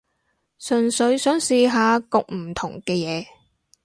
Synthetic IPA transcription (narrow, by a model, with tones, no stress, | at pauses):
sɵ˨nsɵ˨˧ɥsœː˨˥ŋsiː˨˧ɦaː˨˧kʊ˨k̚m̩˨˩t̪ʰʊ˨˩ŋkɛː˧jɛː˨˧